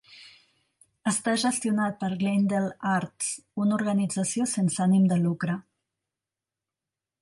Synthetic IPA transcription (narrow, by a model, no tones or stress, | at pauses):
əst̪aʒəst̪iunat̪̚pəɾɣlend̪elˠaɾt̪s | unuɾɣənid͡zəsiosensanimd̪əlukɾə